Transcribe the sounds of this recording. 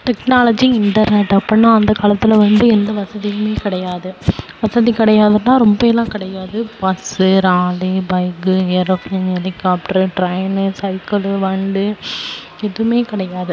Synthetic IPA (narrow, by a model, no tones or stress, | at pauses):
ʈɛknaːlɐd͡ʒɪŋɪɳʈɐɾnɛʈːɐpːɐnːãːɐnd̪ɐkaːlɐt̪ːɪlɐʋɐnd̪ɯɛnd̪ɐʋɐsɐðɪjɐmeːkɪɽɐjaːðɯʋɐsɐðikɪɽɐjaːðɐtːãːɾɔmbɐɛlːãːkɪɽɐjaːðɯpɐsɯɾaːlibɐɪɡɯeːɾoknɐnɛɾɪkaːp̚ʈɐɾʈɾɐjnɯsɐɪkɐlʋɐɳɖɯ | ɛðɯmeːkɪɽɐjaːðɯ